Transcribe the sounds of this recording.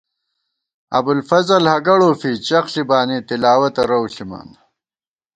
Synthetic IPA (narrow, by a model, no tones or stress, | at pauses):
ɐ̰bulfɐzɐlhɐɡɐɽoːfit͡ɕɐxɬibaːneːt̪ilaːwɐt̪ɐɾɐwɬimɐ̰n